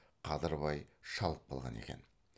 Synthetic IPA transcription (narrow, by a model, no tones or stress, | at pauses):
qʰɑzəɾβɑjʃɑlˠəp̚bɑlˠʁɑ̰ne̞̰kʲe̞n